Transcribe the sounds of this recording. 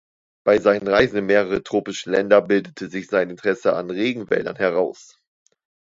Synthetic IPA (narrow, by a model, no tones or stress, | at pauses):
b̥aɪzaɪnənʁaɪzn̩əmːeːʁəʁətʁ̥oːpɪʃəlɛ̰ndɐbɪldətʰəzɪçz̥aɪnɪntəʁ̥ɛsəa̰nʁeːɡŋ̩vɛ̰ːlɐ̰nhɛʁaʊs